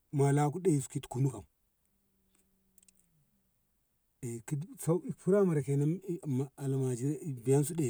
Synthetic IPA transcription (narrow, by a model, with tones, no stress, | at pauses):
ma˨la˦ku˦de˦i˨su̥˨˦ki˦tku˨nu˦ka˨m | e˨ki˦sa˦i˦pu˦ɾa˦ma˨ɾa˨ke˨na˦˨ma˨a˨la˨ma˨d͡ʒi˦bi˨ja˦n˦su˦de˨